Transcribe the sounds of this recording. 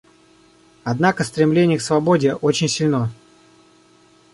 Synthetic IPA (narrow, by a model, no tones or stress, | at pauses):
ɐd̪nakəst̪ɾʲɪmlʲenʲɪjəksvɐbo̞dʲɪʔot͡ɕɪnʲsʲɪlʲno